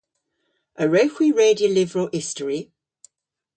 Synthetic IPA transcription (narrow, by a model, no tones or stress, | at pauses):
əɹəʊxwiɹeːdiəlɪvɹəlʔɪstəɹi